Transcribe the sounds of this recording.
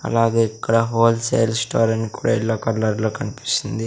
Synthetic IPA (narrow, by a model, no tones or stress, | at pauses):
ɐ̰laːɡe̞ːikːɐɽɐɦoːlseːjlsʈaːɾɐnikuːɽa̰ːilːaːkɐlːɐɾloːkɐnipi̥st̪ind̪i